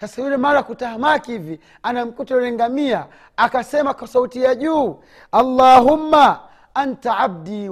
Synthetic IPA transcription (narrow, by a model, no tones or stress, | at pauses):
sasajulɛmaɾakutahamakiivi | anam̩kutɔlɛŋɡamiaː | kasɛmakwasautijaʄuː | alːaɦumːa | antaab̚diː